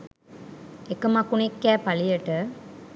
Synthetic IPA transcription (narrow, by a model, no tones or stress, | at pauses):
ekɐmɐkunekːæːpɐlijɐʈə